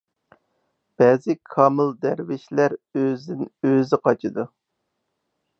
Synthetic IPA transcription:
b̥ɛːzɪkʰɑːmɨlˠd̪æɾvɪʃlæɾøzɪnøzɪqʰɑt͡ʃʰɨd̪u

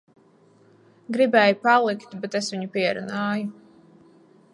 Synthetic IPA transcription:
ɡɾibɛːjupalˠikt̪bet̪esviɲupiɛɾṵnaːju

